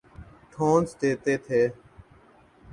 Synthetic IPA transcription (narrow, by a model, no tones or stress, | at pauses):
ʈʰõːnsʈ̪eːt̪eːt̪ʰeː